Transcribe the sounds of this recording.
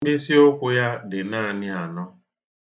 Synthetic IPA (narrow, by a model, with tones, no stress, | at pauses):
dɪ˦si˦o˦kʷʊ˨ja˦dɪ˨na˦a˨nɪ˦a˨nɔ˦